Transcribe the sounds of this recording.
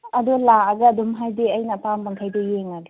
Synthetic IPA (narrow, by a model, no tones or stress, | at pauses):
ɐdɔlaːɡɐːdumɦajdeɐjnɐpambaŋkʰajdejeŋaɡɐ